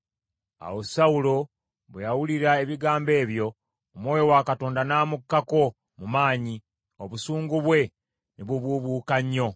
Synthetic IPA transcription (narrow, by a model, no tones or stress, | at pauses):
a̰wosaulo̞ | βwejawuliɾae̞βiɡaːmbe̞ːβjo̞ː | mwo̞ːjo̞wakato̞ːndanaːmukːako̞ | mumaːɲi | o̞βusuːŋɡuβwe̞ | niβuβuβuːkaɲːo̞